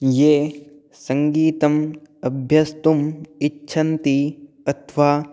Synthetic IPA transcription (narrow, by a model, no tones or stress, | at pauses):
jeː | sɐŋɡiːt̪ɐmɐbʱjɐst̪umitːʃʰɐnt̪i | ɐt̪ʰʋaː